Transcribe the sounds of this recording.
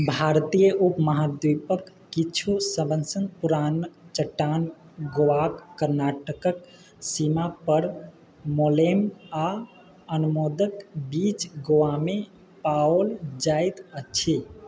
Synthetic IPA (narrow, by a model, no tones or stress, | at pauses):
bʱaɾt̪ijəʔupməɦad̪wipəkːit͡ʃʰusəbənsənpuɾant͡ʃəʈːan | ɡoʋakːəɾnaʈəkək | simapəɾ | molema | ənumod̪əkbit͡ʃɡoʋame | paold͡ʒajt̪ət͡ʃʰi